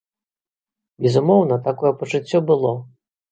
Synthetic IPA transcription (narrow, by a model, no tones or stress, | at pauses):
bʲɛzumɔwnɐt̪akɔjɛpɐt͡ʂɨt͡sʲːɔbɨlˠɔ